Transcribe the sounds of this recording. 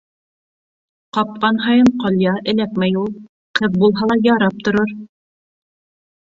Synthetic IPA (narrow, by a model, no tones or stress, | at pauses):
qɑp̚qɑnɦɑjɤɴqɑlˠjɑʔɘ̆lækmæjulˠ | qʰɤðbulˠɦɑlˠɑjɑɾɑp̚t̪ŏɾoɾ